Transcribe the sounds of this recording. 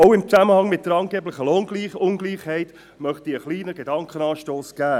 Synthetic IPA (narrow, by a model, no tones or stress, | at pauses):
ɔʊɪmt͡sæməhɑŋmɪt̚d̥əɾɑnɡeːblɪχəlonɡliːχʊnɡliːχhɛɪt | mœχtiəχliːnəɡedɑŋkχənɑːʃtoːsɡ̥æː